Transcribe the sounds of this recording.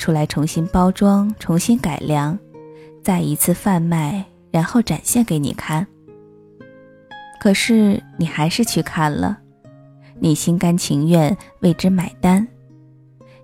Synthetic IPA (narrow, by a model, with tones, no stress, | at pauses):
ʈ͡ʂʰu˥la˧˥ɪʈ͡ʂʰʊ˧˥ŋɕi˥npɑ˥ʊʈ͡ʂwɑ˥ŋʈ͡ʂʰʊ˧˥ŋɕi˥nka˨˩ɪljɑ˧˥ŋt͡sa˥˩ɪi˧˥t͡sʰɹ̩˥˧fa˥˧nma˥˩ɪ | ɻa˧˥nxo˥˩ʊʈ͡ʂa˨˩nɕjɛ˥˩nke˧˥ɪnḭ˨˩kʰa˥˩n | kʰɤ˨˩ʂɻ̩˥˩ni˨˩xa˧˥ɪʂɻ̩˥˧t͡ɕʰy˥˧kʰa˥˩nlə̰˩ | ni˨˩ɕi˥nka˥nt͡ɕʰi˧˥ŋɥɛ˥˧nwe˥˩ɪʈ͡ʂɻ̩˥ma˨˩ɪt̪a˥n